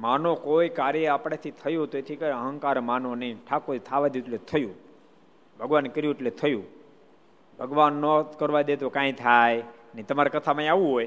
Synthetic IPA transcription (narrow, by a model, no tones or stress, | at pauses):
manokojkaɾjəapɽ̃et̪ʰit̪ʰəjũt̪oet̪ʰikəɾəɦə̃ŋkaɾmanoniʈʰakoit̪ʰaʋad̪juʈlet̪ʰəjũ | bʱəɡʋankəɾjũʈlet̪ʰəjũ | bʱəɡʋanːokəɾʋad̪et̪okãĩt̪ʰajnit̪əmaɾekət̪ʰamãĩaʋũɦoj